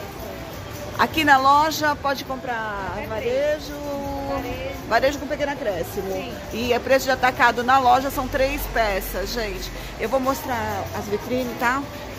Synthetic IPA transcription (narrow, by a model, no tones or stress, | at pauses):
a̰kinɐlɔʒɐpɔd͡ʒɪkõpɾavaɾeʒʊ | vaɾeʒʊkõpekẽnɐkɾɛsimʊ | ɪpɾesʊd͡ʒɪat̪akad̪ʊnɐlɔʒɐsɐ̃w̃t̪ɾejspɛsɐsʒẽt͡ʃɪ̥ | ewvowmost̪ɾaɾɐzvit̪ɾĩnɪt̪a